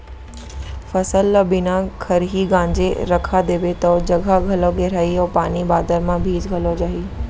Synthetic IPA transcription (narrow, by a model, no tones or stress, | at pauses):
fɐsəlːbɪnakʰɐɾɦiɡãːɲd͡ʑḛɾɐkʰad̪eːʋet̪ɔːd͡ʑɐɡʱaɡʱɐloɡʱeːɾaiɔːpaːnibaːd̪əɾmãbʱiːd͡ʑɡʱɐlod͡ʑaːɦiː